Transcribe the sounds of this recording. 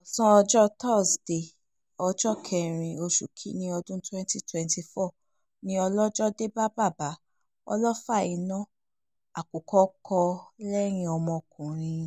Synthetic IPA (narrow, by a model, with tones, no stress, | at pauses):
ɔ˨sɔ̃˦ɔ˧d͡ʒɔ˦tɔ˦˨sd̥e˨ | ɔ˧d͡ʒɔ˦kʰɛ˧˨ɾ̃ĩ˧o˧ʃṵ˨kʰi˨˦nĩ˧ɔ˧dũ˦twɛ̃˦nti˦twɛ̃˧nti˧fɔ˦˨ | nĩ˧˦ɔ˧lɔ˦d͡ʒɔ˦de˦ba˦ba˦˨ba˨˦ | ɔ̰˧lɔ˦fa˦˨i˨˧nã˦˨ | a˨ku˨kʰɔ˦kʰɔ˧lɛ˦ɾ̃ĩ˧ɔ˧mɔ̃˧kũ˨ɾ̃ĩ˧